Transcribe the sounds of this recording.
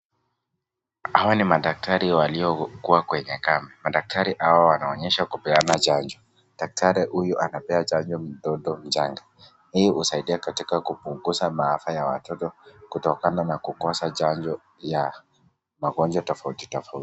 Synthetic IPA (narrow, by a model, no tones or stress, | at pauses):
hawanimaɗak̚tʰaɾiwaliɔkuwakwɛɲɛkamɛmaɗak̚tʰaɾiʔawawanaɔɲɛʃakupɛanat͡ʃand͡ʒɔ | ɗak̚tʰaɾɛhujuʔanapɛat͡ʃaɲd͡ʒɔm̩ɗɔɗɔm̩d͡ʒaŋɡa | hiihusaiɗiakatikakupuŋɡuʃamaafajawa̰tɔtɔkutɔkananakukɔsat͡ʃaɲd͡ʒɔ | ja | maɡɔnd͡ʒwatɔfauti̥tɔfauti̥